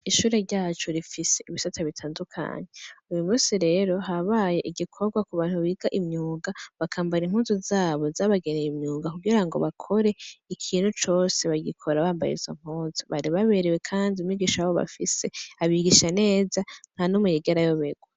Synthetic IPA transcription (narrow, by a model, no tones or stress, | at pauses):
iʃuːɾe̞ɾɟaːt͡ʃoɾifise̞ʔiβisatʰaβitʰaːndukʰa̰ɲeujumusiɾe̞ɾo̞ɦaβaje̞ʔiɡikʰo̞ɾɡwakuβaːn̥huβiːɡaʔimɲuːŋɡaβakʰaːmbaɾim̥huːnzozaːβo̞zaːβaɡenejimɲuːŋɡakuɡiɾaŋɡo̞̰βakʰo̞ɾe̞ikʰiːn̥hut͡ʃo̞ːse̞βaɡikʰo̞ɾaβaːmba̰jḛzo̞̰ŋ̥uːnzoβaɾiβaβe̞ɾewekʰaːndiumɲiɡiːʃajaβoβa̰fise̞aβiɡiʃane̞ːzan̥hanumujeɡeɾajo̞βeɡwa